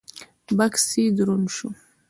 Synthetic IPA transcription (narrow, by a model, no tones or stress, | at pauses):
baksid̪ɾunʃu